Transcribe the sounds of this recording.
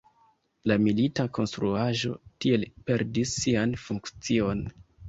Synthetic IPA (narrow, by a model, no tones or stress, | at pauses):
lamilitako̞nstɾuaʒo̞̰tie̞lpe̞ɾdisːianfuŋkt͡sio̞n